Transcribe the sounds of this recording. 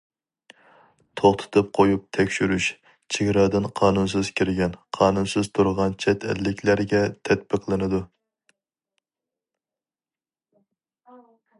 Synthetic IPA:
t̪ʰoχt̪ʰɨ̥t̪ʰɨp̚qʰojup̚t̪ʰɛkʲʃyɾyʃ | t͡ʃʰeɡʲɾɑd̪ɨnqʰɑːnunsɨz̥kʲʰiɾɡʲɛnqʰɑːnunsɨz̥t̪ʰuɾʁɑnt͡ʃʰɛt̪ʰɛ̰lːɪkʲlæɾɡʲɛt̪ʰɛt̪̚bəqlˠɨnɨd̪u

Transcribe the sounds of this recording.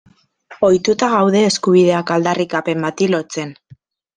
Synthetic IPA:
o̞jt̪ut̪aɣawðe̞ːskuβ̞ið̞e̞akald̪arikape̞mbat̪ilo̞t͡se̞n

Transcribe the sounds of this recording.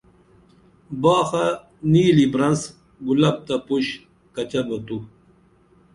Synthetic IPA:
baːxa | niːlibɾɐns | ɡulɐb̚t̪apuɕ | kɐt͡ɕɐbɐt̪u

